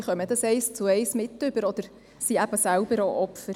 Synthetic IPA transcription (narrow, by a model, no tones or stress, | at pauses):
χœməd̪ɑsɛɪst͡sʊɛɪsmɪt̪ːʏb̥əɾɔd̪əɾ | siæb̥əsælb̥əɾoʔɔpfəɾ